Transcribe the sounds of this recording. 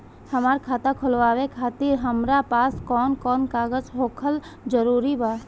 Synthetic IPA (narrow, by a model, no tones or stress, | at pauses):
həmaːɾkʰaːt̪ãkʰʊlʋaːwekʰaːt̪iɾɦəmɾapaːskɔːnkɔːnkaːɡəd͡ʒɦokʰəl | d͡ʒəɾuɾiba